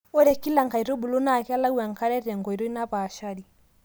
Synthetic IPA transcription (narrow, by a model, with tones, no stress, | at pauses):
ɔ˦ɾɛ˨ki˦la˨ŋka˨i˨ɾo˦bu˨lo˦na˦˨kɛ˦a˦la˦ɡu˦a˨ŋka˦ɾɛ˦ɾɛ˨ŋɡɔ˨i˨ɾo˦i˦na˦paː˨ʃa˦ɾi˨